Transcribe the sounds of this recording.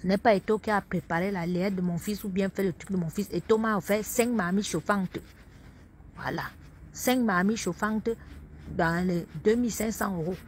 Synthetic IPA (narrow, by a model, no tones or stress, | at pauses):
sənɛpaetokiapɾepaɾelalɛɛt̚d̪əmɔ̃fisubjɛ̃fɛlət̪ɾyk̚d̪əmɔ̃fisetomãofɛsɛ̃kmamiʃofãŋt̪ | vwa̰la | sɛ̃ŋkmamiʃofãt̪əd̪ãlɛd̪ømilsɛ̃ŋksɑ̃øʁo